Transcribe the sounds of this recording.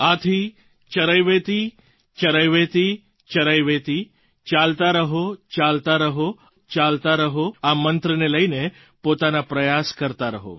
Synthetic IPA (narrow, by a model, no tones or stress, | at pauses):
at̪ʰi | t͡ʃəɾəjʋet̪i | t͡ʃəɾəjʋet̪i | t͡ʃəɾəjʋet̪i | t͡ʃalt̪aɾəɦot͡ʃalt̪aɾəɦo | t͡ʃalt̪aɾəɦoamənt̪ɾəneləine | pot̪anapɾəjaskəɾt̪aɾəɦo̰